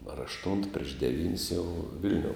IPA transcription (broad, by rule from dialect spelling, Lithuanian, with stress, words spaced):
ɐr ɐʃˈtʊnt pʲrʲiɛʃ dʲɛˈʋʲiːnʲsʲ jɛʊ ˈʋʲɪlʲnʲoːʊ